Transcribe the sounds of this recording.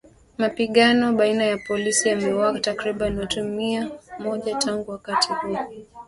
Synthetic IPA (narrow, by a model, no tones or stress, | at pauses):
mapiɠanɔɓainajapɔlisiamɛwaatakɾiɓanɔtumiamɔʄatʰaŋɡuwakatihuɔ